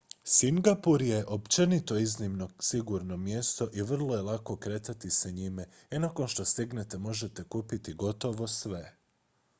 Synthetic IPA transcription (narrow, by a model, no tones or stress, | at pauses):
siŋɡapuɾje̞ʔo̞pt͡ʃe̞nit̪o̞iznimnosiɡuɾno̞mjest̪o̞ʔiʋr̩lˠo̞je̞lako̞kɾe̞t̪at̪iseɲime | inako̞nʃt̪o̞st̪iɡne̞t̪e̞mo̞ʒe̞t̪e̞kuːpit̪iɡo̞t̪o̞ʋo̞sʋe̞